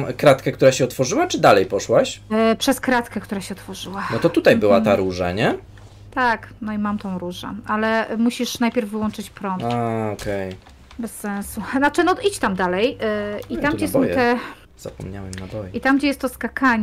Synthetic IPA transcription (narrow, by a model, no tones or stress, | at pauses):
kɾat̪kɛkt̪uɾaɕɛɔt̪fɔʐɘwat͡ʂɘd̪alɛjpɔʂwaɕpʂɛskɾat̪kɛkt̪uɾaɕɛɔt̪fɔʐɘwanɔt̪ɔt̪ut̪ajbɘwat̪aɾuʐa̰ɲɛ | t̪aknɔimamt̪ɔ̃w̃ɾuʐɛ̰ʔalɛmuɕiʂnajpʲjɛɾvːɘwɔnt͡ʂɘt͡ɕpɾɔnt̪aɔkɛj | bɛsːɛnsunat͡ʂɘnɔʔit͡ɕt̪amd̪alɛjit̪amɡd͡ʑɛsɔ̃wt̪ɛ | z̥a̰pɔ̰mɲa̰wɛmnabɔjɛʔit̪amɡd͡ʑɛjɛst̪ːɔskakʰaɲ